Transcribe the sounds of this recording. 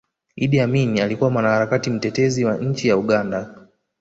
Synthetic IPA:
iɗiaminialikuwamwanahaɾakatim̩tɛtɛziwaɲ̩t͡ʃijauɠanda

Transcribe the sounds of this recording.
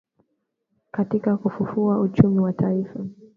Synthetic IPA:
katikakufufuaut͡ʃumiwatʰaifa

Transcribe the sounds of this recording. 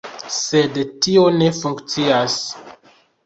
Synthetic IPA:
se̞dtio̞ne̞fuŋkt͡sias

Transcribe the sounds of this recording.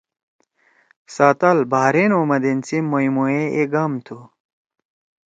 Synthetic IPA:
saːt̪ɐlbaːɾenoːmɐd̪ent͡simːoimoeeɡamt̪ʰu

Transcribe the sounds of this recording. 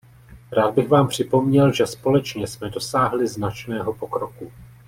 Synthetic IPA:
ɾaːd̪̚bɪɣvaːmpr̝̥ɪpo̞mɲɛlʒɛspo̞lɛt͡ʃɲɛsmɛdo̞saːɦlɪznat͡ʃnɛːɦo̞po̞kɾo̞ku

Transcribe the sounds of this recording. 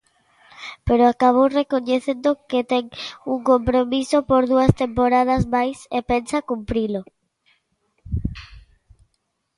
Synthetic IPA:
peɾoakaβ̞owrekoɲeθend̪oket̪eŋuŋkompɾomisopoɾðuɐst̪empoɾað̞ɐsmajsepensakumpɾilo

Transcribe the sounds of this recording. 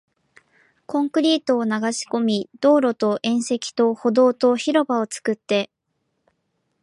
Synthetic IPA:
kõ̞ŋkɯ̟ɾʲiːt̪o̞ːnaɡaɕi̥ko̞mʲid̪̥o̞ːɾo̞t̪o̞ʔẽ̞ɰ̃se̞kʲi̥t̪o̞ho̞d̪o̞ːt̪o̞çiɾo̞bao̞t͡sɨ̥kɯ̟t̪ːe̞

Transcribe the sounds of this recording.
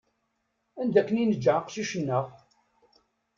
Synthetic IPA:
ænd̪ækːəninəd͡ʒːʕqʃiʃənːəʁ

